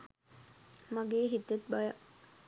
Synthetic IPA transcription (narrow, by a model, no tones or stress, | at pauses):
maɡeːɦit̪jet̪̚bajə